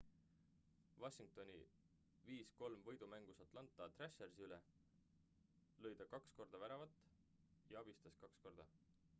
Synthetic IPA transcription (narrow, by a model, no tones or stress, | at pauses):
vɑɕiŋk̚t̪o̞nʲḭ | viːsko̞lmvɤjd̪umæŋɡ̥usɑt̪ˑlɑnt̪ːˑɑt̪reʃeɾsiyle | lɤ̞jd̪̥ɑkɑksko̞rd̪ɑvæɾɑvɑt̪ːˑ | jɑɑb̥ist̪ɑskɑksko̞rd̪̥ɑ